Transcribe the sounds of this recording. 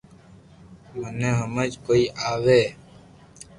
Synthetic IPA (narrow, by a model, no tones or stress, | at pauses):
mənẽːɦəməd͡ʒkoːiːʔaːʋeː